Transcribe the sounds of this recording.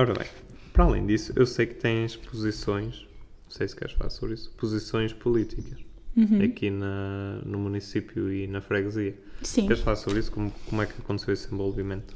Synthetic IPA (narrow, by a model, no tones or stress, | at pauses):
ɔɾɐβɐ̰̃j̃ | pɾalḛ̃j̃d̪isu̥ʔewsejkɨ̥t̪ẽj̃ʃpuzisõj̃ʃ | sejskɛ̰ɾʃfɐlˠa̰ɾsoβɾisu̥puzisõj̃ʃpulˠit̪ʰikɐʃɐkinɐnumunisipjuinɐfɾɛɣziɐsĩkɛɾʃfɐlˠaɾsoβɾisu̥komukomwɛkɐkõnt̪sewesẽbɔlˠvimẽnt̪u̥